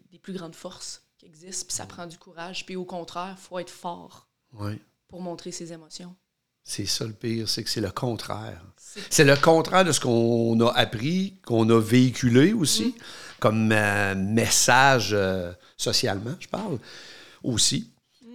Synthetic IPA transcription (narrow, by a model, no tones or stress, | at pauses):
d̪eplyɡʁɑ̃ːd̪fɔʁskʲiɛɡzɪst̪pi̥sa̰pχɑ̃d̪d͡zykuʁaʒpiokɔ̃t̪χɛːʁfoɛːt̪fɑ̰ːʁ | wɛ | puʁmɔ̃t̪χesezemɔsjɔ̃ | sɛsʌləpiːʁsɛksɛləkʰɔ̃ːt̪ʁɛ̰ːʁ | sɛləkɔ̃ːt̪ʁɛːʁd̪əsə̥kɔ̃nʌʔapʁikʰɔ̃nɔveikʲyleosikɔmøːɛsaʒø | sɔsja̰lmãʒəpaʁl | osi